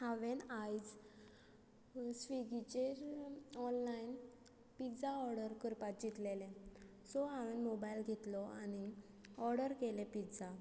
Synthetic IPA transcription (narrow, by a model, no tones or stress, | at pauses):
haʋenajd͡z | sʋiɡit͡ɕeɾɔnlain | pid͡zaɔɾɽəɾkəɾpat̪̚d͡ʑit̪lelẽ | sɔɦaʋenmobajlɡʱet̪lɔañi | ɔɾɽəɾkelepit̪d͡za